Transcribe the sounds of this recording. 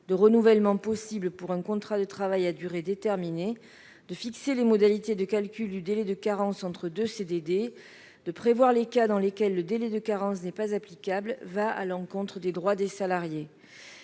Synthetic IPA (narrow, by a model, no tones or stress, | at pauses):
d̪əʁənuvɛlmɑ̃pɔsiblpuʁɛ̃kɔ̃t̪χad̪ət̪χavajad̪yʁed̪et̪ɛʁmine | d̪̥əfikselemɔd̪alit̪ed̪əkalkʲyld̪yd̪elɛd̪əkaʁɑ̃sɑ̃t̪χəd̪øsed̪ed̪e | d̪̥əpχevwaʁlekad̪ɑ̃lekʲɛlːəd̪elɛd̪əkaʁɑ̃snɛpazaplikablvaa̰lɑ̃kɔ̃t̪χəd̪ed̪ʁwad̪esalaʁje